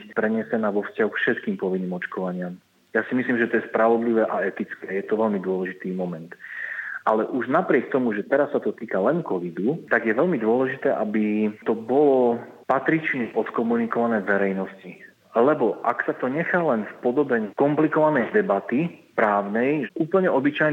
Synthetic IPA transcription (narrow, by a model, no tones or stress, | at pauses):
bipɾɛɲɛsɛnaːʋɔfscaɦukfʃɛt̪kiːmpɔʋinːiːmɔt͡ʃkɔʋaɲɪam | jaːsimisliːmʒɛt̪ɔjɛspɾaʋɔd̪liʋɛʔaɛt̪it͡skɛjɛt̪ɔʋɛlmid̪ʊɔlɛʒit̪iːmɔmɛnt̪ʔalɛʔuʒnapɾɪɛk̚t̪ɔmuʒɛt̪ɛɾasːat̪ɔt̪iːkalɛnkɔʋid̪ut̪aɡjɛʋɛlmid̪ʊɔlɛʒit̪ɛːʔabit̪ɔbɔlɔ | pat̪ɾit͡ʃniʔɔt̪kɔmunikɔʋanɛːʋɛɾɛjnɔsci | lɛbɔʔaksat̪ɔɲɛxalɛnfpɔd̪ɔbɛkɔmplikɔʋanɛjd̪ɛbat̪ipɾaːʊnɛjuːpl̩ɲɛʔɔbit͡ʃajn